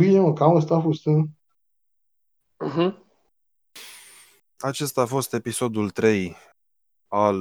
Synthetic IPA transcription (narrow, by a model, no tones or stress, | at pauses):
bineməkaməst̪afust̪ɨ | m̩ɦ̩ | at͡ʃe̞st̪aːfo̞st̪e̞piso̞d̪ult̪ɾe̞j | al